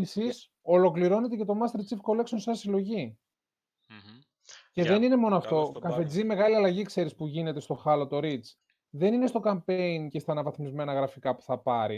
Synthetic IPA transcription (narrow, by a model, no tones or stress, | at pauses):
isis | o̞lo̞kliɾo̞ne̞t̪e̞ce̞t̪o̞mɐst̪eɾt͡sifko̞le̞ksonsɐsilo̞ʝi | ce̞ðe̞nine̞mo̞noɐft̪o̞kɐfe̞d͡zime̞ɣɐliɐlɐʝikse̞ɾispuʝine̞t̪e̞st̪o̞xɐlo̞t̪o̞ɾit͡s | ðe̞nine̞st̪o̞kɐmpeince̞st̪ɐːnɐvɐθmizme̞nɐɣɾɐfikɐpu̥θɐpɐɾḭ